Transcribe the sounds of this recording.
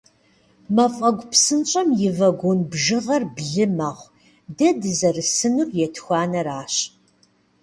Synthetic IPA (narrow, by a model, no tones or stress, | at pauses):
mɐfʼɐɡʷʼpsɨnt͡ʃʼɐmjɪvɐɡʷonbʒɨʁɐrbɮɨmaːʁʷ | dɐdɨzɐrɨsɨnurjɛtʰxʷaːnɐɾaːɕ